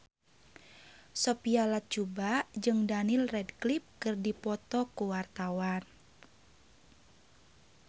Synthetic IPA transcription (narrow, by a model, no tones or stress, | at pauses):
sɔpialat̪̚t͡ʃubad͡ʒɨŋdanilrɛdklip̚kɨrdipɔt̪ɔkuwart̪awan